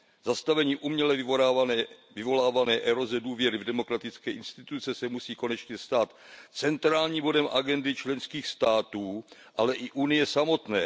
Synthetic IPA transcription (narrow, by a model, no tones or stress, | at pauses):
zast̪avɛɲiːʔumɲɛlɛ | vɪvo̞laːvanɛːʔɛɾo̞zɛduːvjɛɾɪvdɛmo̞kɾat̪ɪt͡skɛːʔɪnst̪ɪt̪ut͡sɛsɛmusiːko̞nɛt͡ʃɲɛst̪aːt̪t͡sɛnt̪ɾaːlɲiːmbo̞dɛmʔaɡɛndɪt͡ʃlɛnskiːxst̪aːt̪uː | ʔalɛʔɪʔunɪjɛsamo̞t̪nɛ̰ː